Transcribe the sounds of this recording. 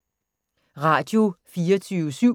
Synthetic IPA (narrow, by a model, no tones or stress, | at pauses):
ʁɑ̰̈ːd̥jo̝fiːɐt͡sʰyːʋəsyʊ̰